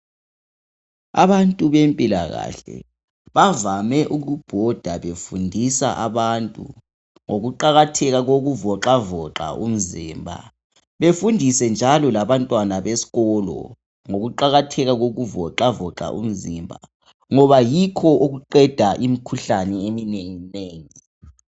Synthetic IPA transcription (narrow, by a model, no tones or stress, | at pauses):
a̰βantʼuβempʼila̰ɣa̰ːɬɛ̰ | βavamɛʔuɣub̥ʱɔd̥ʱaβefundʱisa̰ʔaβantʼṵ | ŋoɣuǃaɣatʰɛɣaɣoɣuvɔǁavɔǁa̰um̩ziːmbʱa̰ | βefundʱisɛnd͡ʒʱalɔlaβantʼwanaβesi̥ɣɔːlɔ̰ | ŋoɣuǃaɣatʰɛɣaɣoɣuvɔǁavɔǁa̰ʔṵm̩zimbʱa | ŋɔβajikʰɔʔuɣuǃɛd̥ʱaʔimikʰuɬanɛemineŋineːŋi